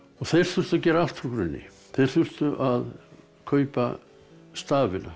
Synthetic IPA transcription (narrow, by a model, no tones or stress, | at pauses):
ɔɣθejɾ̥θʏr̥t̪acɛːɾaalt̪ɾukɾʏnːɪ̰ | θejɾ̥θʏr̥t̪ʏʔað | kʰœːɥpa | st̪aːvɪna̰